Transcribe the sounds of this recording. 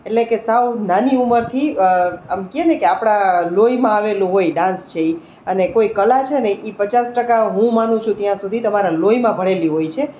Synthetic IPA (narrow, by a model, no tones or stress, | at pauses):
eʈlekesawnaniuməɾt̪ʰiəmkienekeapɽ̃alojmãaʋelũɦojɖãnst͡ʃʰei | ənekoikəlat͡ʃʰenejʔipət͡ʃasʈəkaɦũmanũt͡ʃʰũt̪jãsud̪ʱit̪əmaɾaloimãbʱəɽeliɦojt͡ʃʰe